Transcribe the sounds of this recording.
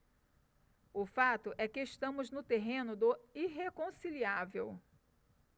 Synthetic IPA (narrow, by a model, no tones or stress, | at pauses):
ʊfat̪ʊʔɛkɪːʃt̪ɐ̃mʊznʊt̪eɦẽnʊd̪ʊiɦekõsiliavew